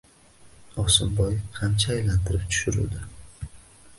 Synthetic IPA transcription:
ɒsɪmbɒjqʰant͡ʃʰaːjlant̪ʰɪɾɪp̚t̪ʰʊ̥ʃʊɾṵd̪ɪ

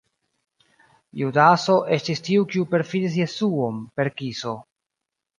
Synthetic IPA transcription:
judaso̞ʔe̞stistiukiupe̞ɾfidis̬je̞suo̞mpe̞ɾkiso̞

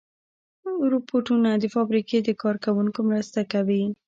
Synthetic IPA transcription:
ɾopoʈunad̪əfɑbɾiked̪əkɑɾkawuŋkomɾəst̪akawi

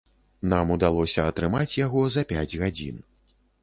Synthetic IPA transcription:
namud̪alˠɔsʲɐɐt̪ɾɨmat͡sʲjaɣɔzɐpʲad͡zʲɣad͡zʲḭn

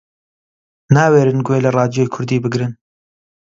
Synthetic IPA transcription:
naːweːɾɨnɡweːlɐrˤɑːd̪ijojkʰʊɾd̪iːbɨɡɾɨn

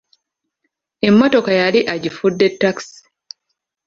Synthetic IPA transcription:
e̞mːo̞to̞kajaliʔaɟifudːe̞tːaksi̥

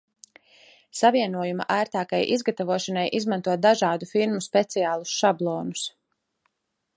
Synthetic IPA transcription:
saviɛnuɔjuma̰ʔæːɾt̪aːkajʔizɡat̪avuɔʃanajʔizmant̪uɔt̪̚d̪aʒaːd̪ufiɾmuspɛt̪siaːlˠusʃablˠɔːnus

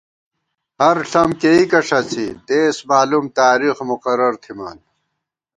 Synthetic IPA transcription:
hɐɾɬɐmkeikɐʂɐt͡sʰid̪eːsmaːlumt̪aːɾixmuqɐɾɐɾt̪ʰima̰ːn

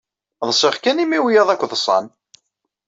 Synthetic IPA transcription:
ðˤəsˤiʁkænimiwjɑðˤækʷːðəsˤɑ̰n

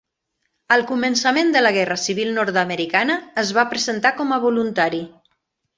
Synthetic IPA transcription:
əlˠkumənsəmend̪ələɣ̞ɛrəsiβ̞ilˠnɔɾt̪əməɾikanəːzβapɾəzənt̪akɔməβ̞ulunt̪aɾi

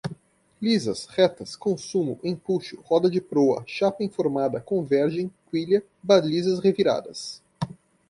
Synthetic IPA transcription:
lizɐshɛt̪ɐskõsũmʊ̰ʔẽpuʃʊ̥hɔd̪ɐd͡ʒɪpɾoɐ̰ʃapɐĩfoɾmad̪ɐkõvɛɾʒẽj̃kwiʎɐ | balizɐsʁeviɾa̰d̪ɐs

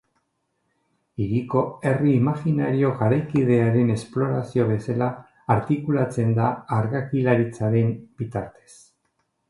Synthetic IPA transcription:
iɾiko̞e̞riːmaxinaɾio̞ɣaɾajkið̞e̞aɾe̞ne̞splo̞ɾasio̞β̞e̞salaː | ɾt̪ikulat͡se̞nd̪aːɾɣakilaɾit͡saɾe̞mb̥it̪aɾt̪e̥s

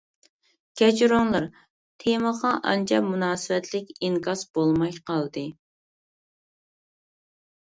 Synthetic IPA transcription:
kʲɛd͡ʒɾoŋlˠɑɾ | t̪ʰeməʁɑʔɑ̰nt͡ʃʰɑmunɑːsɨwɛt̪ʰlɪkʲiŋkɑsb̥olˠmɑjqʰɑlˠd̪ɨ

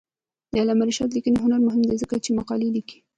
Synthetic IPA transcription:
d̪alamaɾiʃɑt̪̬likəniɦʊnaɾmʊɦɪmd̪ezəkat͡ʃemaqɑleliki̥

